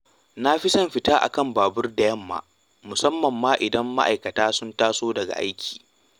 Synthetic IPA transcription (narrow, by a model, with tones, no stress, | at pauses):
na˦ɸi˦sɐ˦mɸɪ˨taː˦ʔa̰˨kɐ˦mbaː˨bʊ˦rda˨jɐ˦˨mːa̰ː˨ | mʊ˨sɐ˦mːɐ˨mːaː˦ʔɪ˨dɐ˦mːa̰˦ʔa̰˨jkɐ˨taː˦sʊ˦ntaː˦soː˦dɐ˨ɡa̰˨ʔa̰˦jkʲʰi̥ː˨